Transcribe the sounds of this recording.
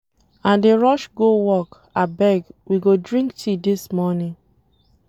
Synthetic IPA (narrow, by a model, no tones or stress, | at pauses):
ãndeɹɔʃɡowɔk | abɛɡwiɡodɹĩŋktʰidismɔnĩŋ